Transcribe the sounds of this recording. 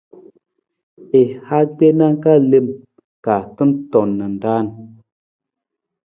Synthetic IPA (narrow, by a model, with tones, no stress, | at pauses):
e˨ha˦ɡ͡be˦na˦ŋ˦ka˦˨le˦˨m | ka˨tɨ˦ntɔ˨nːə˨n˨da˦˨n